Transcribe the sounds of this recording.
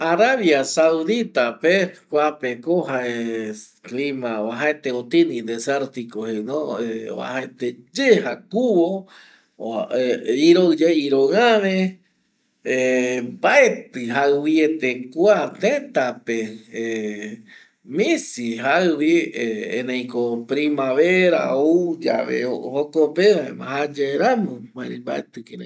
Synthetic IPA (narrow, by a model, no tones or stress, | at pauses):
aɾaβjasauðit̪apekʷapekoɦae | klimaaɦaet̪eot̪inĩd̪eseɾt̪ikohenõḛβa̰haet̪ed͡ʒeɦakuβo | iɾod͡ʒeiɾoãβẽ | ebaet̪ɨɦaɨwiet̪ekwat̪ẽt̪ape | mĩsiɦawieḛ̃nẽj̃kopɾimaβeɾa̰od͡ʒa̰βḛohokopeʋaḛmã̰had͡ʒeɾamõmãɾĩba̰et̪ɨkenḛ̃